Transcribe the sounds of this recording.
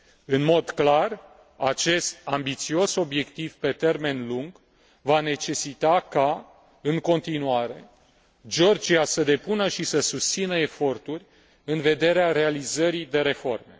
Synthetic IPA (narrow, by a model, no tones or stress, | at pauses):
ɨnmo̞d̪klar | at͡ʃe̞st̪̚ambit̪sio̞so̞bje̞kt̪ivpet̪e̞rme̞nluŋɡ | vane̞t͡ʃe̞sit̪aka | ɨŋko̞nt̪inuaɾe̞ | d͡ʒo̞rd͡ʒiasəd̪e̞punəʃisəsust̪sinəe̞fo̞rt̪urʲ | ɨnve̞d̪e̞ɾeaɾe̞alizəɾid̪e̞ɾe̞fo̞̰rme̞